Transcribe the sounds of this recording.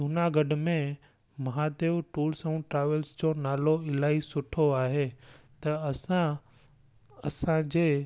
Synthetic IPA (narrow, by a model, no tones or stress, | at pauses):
d̪unaɡɐɖmẽ | mɐɦad̪eːʋʈuːlsɐ̃ũʈɾaːʋəlsd͡ʑonaːloɪlaːisʊʈʰoaːɦet̪ɐsã | ɐsãd͡ʑeː